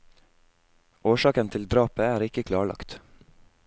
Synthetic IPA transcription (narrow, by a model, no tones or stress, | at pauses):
ʔoːʃɑːkənt̪ʰɪld̪ɾɑːpəæːɾɪkəkʰlɑːɭɑ̰kt̪